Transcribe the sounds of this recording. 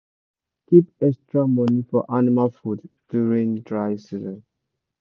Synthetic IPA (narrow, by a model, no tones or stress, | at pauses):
kipɛkstɹamɔnifɔ̰ʔanimalfudd̥juɹĩndɹaɪsizɛ̃n